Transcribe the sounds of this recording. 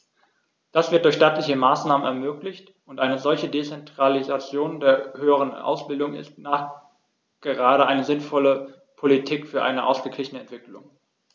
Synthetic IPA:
d̥asv̥ɪɐt̚d̥ʊɐçʃtaːtlɪçəmaːsnaːmənɛɐmøːklɪçt | ʔʊntʔaɪnəzɔlçədet͡sɛntʁ̥alizat͡sjoːndeːɐhøːəʁ̞ənʔa̰ʊsb̥ɪldʊŋɪ̰st̚naːχ | ɡ̥əʁaːɾəʔaɪnəzɪnfɔlə | pʰolitʰiːkfyːɐʔa̰ɪnəʔaʊsɡ̥əɡlɪçənəɛntv̥ɪklʊ̰ŋ

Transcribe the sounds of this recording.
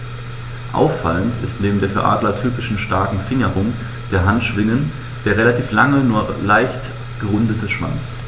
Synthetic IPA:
ʔa̰ʊfːa̰ləntʰɪstneːbm̩deːɐfːɐʔa̰ːdlɐtʰyːpɪʃn̩ʃtaɐkŋ̩fɪŋəʁʊŋ | d̥eːɐɦantʃv̥ɪŋən | d̥eːɐʁelatʰiːflaŋənuːɐlaɪçt | ɡ̥əʁʊndətʰəʃv̥a̰nt͡s

